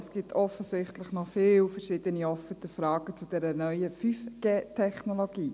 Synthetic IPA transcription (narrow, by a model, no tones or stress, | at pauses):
sɡ̥ip̚tʰɔfəsɪχtlɪχnɔfɪːlfəɾʃɪːd̥əniɔfətəfɾɑːɡ̥ət͡sud̥ɛɾənœʏəfyfɡ̥eːtʰɛχnoloɡiː